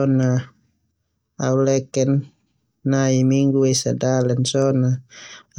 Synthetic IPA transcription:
ɔna | aulɛkɛnː | aimiŋɡuɛsadalɛnsɔna

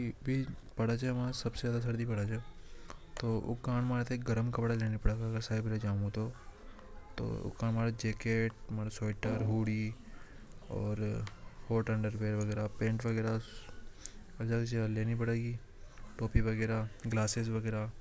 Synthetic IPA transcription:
ibʱipɐɽat͡ʃemãsɐbsezjaːd̪as̬ɐɾd̪ipɐɽat͡ʃʰe | t̪oːʊ̰kãːnmãːɾet̪ʰːɡɐɾəmkɐpɽaleːnipɐɽaːɡaɐɡəɾsaːibəɾed͡ʒaːmot̪o | t̪o̰ːʊ̰kãːnmaːɾd͡ʒeːkeːʈmaːɾsoːɪʈəɾɦuːɽiː | ɔ̰ːɾhoːʈɐ̃ɳɖəɾbeːɾʋɐɡɛːɾapẽːɳʈʋɐɡɛːɾa | ɐd͡ʒakt͡ʃleːnip̬ɐɽːɡiː | ʈoːpiʋɐɡɛːɾaːɡlaːsesʋɐɡɛːɾaː

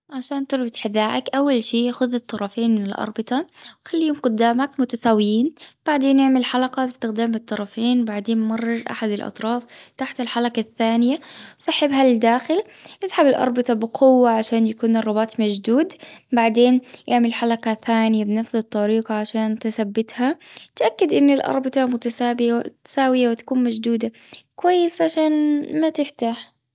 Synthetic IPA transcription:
ʕaʃaːnt̪ʊɾˤbɪt̪ħɪðaːʕakʔawːalʃiːʔaxʊðɨt̪ˤːɑɾˤɑfeːnmɪnɪlʔɑ̰ɾˤbɪt̪ˤɑwxalːijoːmqʊd̪ːaːmakmʊt̪asaːwːɪjiːnb̥aʕd̪eːnjɪʕmɪlħalaqɑbɪst̪ɪxd̪aːmɨt̪ˤːɑɾˤɑfeːnbaʕd̪eːnmɑrˤːɑɾʔa̰ħad̪ɪlʔɑ̰t̪ˤɾˤɑːft̪aħt̪ɪlħalakaθːaːnɪjasˤɑħɪbɦalɪd̪aːxɪlʔɪsħabɪlʔɑ̰ɾˤbɪt̪ˤɑbɪqʰʊwːaʕaʃaːnjakuːnɨrˤːɑbaːt̪ˤmad͡ʒd̪uːd̪baʕd̪eːnjɪʕmɪllħalakaθaːnɪjabɪnafsɨt̪ˤːɑɾiːqɑʕaʃaːnt̪ɪθabːɪt̪hat̪ʔakːɪd̪ʔɪnːɪlʔɑ̰ɾˤbɪt̪ˤɑmʊt̪asaːbɪjat̪saːwɪjawɪt̪ḁkuːnmad͡ʒd̪uːd̪akwajːɪsʕaʃaːnmat̪ɪft̪aħ

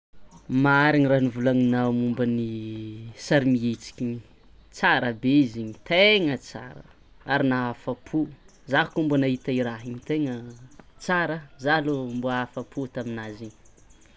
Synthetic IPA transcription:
maaɾiɲiranivulaŋinamumbəni | saɾimiet͡si̥kʲiɲi | t͡saɾəbeiziɲit̪eŋət͡sa̰ɾə | aɾinaafapʰu | zaɦkumbunaɦit̪aiɾaɦiɲit̪eŋət͡saɾəzalumbuafapʰut̪aminaziɲi̥

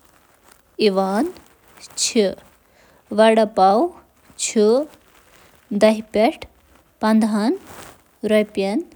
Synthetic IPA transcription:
iʋaːn | t͡ɕʰi | ʋɐɽɐpaw | t͡ɕʰu | d̪ɐɦpʲɐʈʰ | pɐnd̪ɐn | ɾɔjpɐn

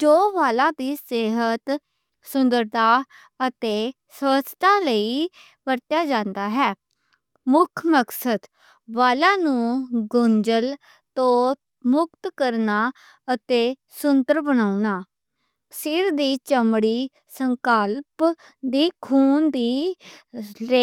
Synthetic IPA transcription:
d͡ʒoːʋaːlãːd̪iːseːɦət̪ | sʊnd̪əɾd̪aː | ət̪eː | sʋəst̪aːləiː | pəɾt̪jaːd͡ʒãːnd̪aːɦɛː | mʊkʰməksəd̪ | ʋaːlãːnũːɡʊnd͡ʒəl | t̪õː | mʊk̚t̪kəɾnaː | ət̪eː | sʊnt̪əɾbənaːunaː | sɪɾd̪iːt͡ʃəmɽiː | səŋkəlp | d̪iːkʰuːnd̪iː | le

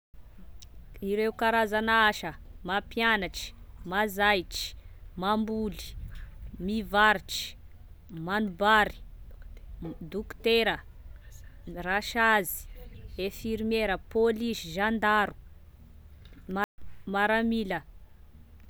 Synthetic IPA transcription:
iɾeukaɾazanaaʃəmapjanaʈ͡ʂi̥mazajʈ͡ʂi̥mambuli̥ | mivaɾiʈ͡ʂi̥ | manubaɾi̥ | d̪ukt̪eɾə | raʃazi̥efiɾimeɾəpolisiʒand̪aɾu̥ | mmaɾamilə

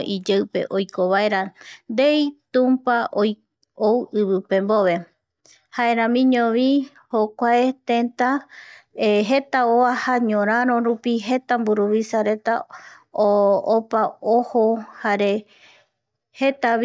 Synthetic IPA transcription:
ʔid͡ʒewpe̞̰ʔojkoβaeɾand̪ejt̪ũmpaʔoj | owɨβɨpẽ̞mboʋe̞ | haeɾãmĩɲõʋi | hokʷaet̪ẽnt̪a | eɦe̞t̪aoahaɲõɾ̃ãɾ̃õɾupiɦe̞t̪ambuɾuβisaɾe̞t̪aoopaohohaɾe̞ | het̪a

